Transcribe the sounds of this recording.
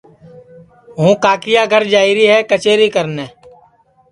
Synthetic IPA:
ɦũːkaːkɪjaːɡʱəɾd͡ʒaːiːɾiːɦɛːkət͡ʃeːɾiːkəɾnɛː

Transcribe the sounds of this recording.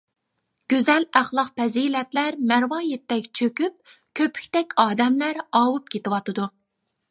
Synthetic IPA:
ɡ̥ʲøzɛlæχlˠɑqpɛzilɛt̪læɾmæɾwɑːjɛt̪ːɛkʲt͡ʃʰøkʲyp̚ | kʲʰøpʰy̥kʲt̪ɛkʲɑːd̪ɛmlæɾɑːwup̚kʲʰet̪ɪwɑt̪ɨd̪u

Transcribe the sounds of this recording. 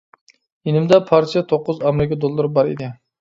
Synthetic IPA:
ɪnɪmd̪apʰaɾt̪ijat̪ʰoqːʊzamɾɪkʲad̪olˠːaɾbɑɾḛd̪ɪ

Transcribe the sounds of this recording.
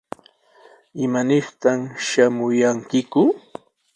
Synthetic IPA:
ɪmanɪχt̪amʃamʊjaŋkɪkʊ

